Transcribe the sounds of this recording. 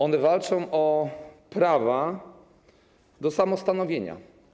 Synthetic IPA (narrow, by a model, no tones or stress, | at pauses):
ɔnɛvalt͡ʂɔ̃w̃ʔɔpɾava | d̪ɔsamɔst̪an̪ɔvʲjeɲa̰